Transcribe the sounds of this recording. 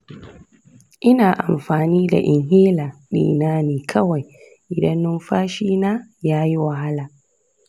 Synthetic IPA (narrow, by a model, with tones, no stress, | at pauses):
ʔɪ˦naː˨ʔa˨mɸaː˨niː˦da̰˨ʔɪ˨ŋɦeː˦la˨ɗḭː˨naː˦niː˨kʰɐ˦wa˨j | ʔɪ˨dɐ˦nːʊ˦mɸaː˦ʃiː˦naː˦jaː˦ji˦wa˨ha˦laː˨